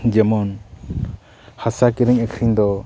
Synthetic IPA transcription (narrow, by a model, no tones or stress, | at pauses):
d͡ʒɛmɔn | hasakiɾɛŋɛkʰɾind̪ɔ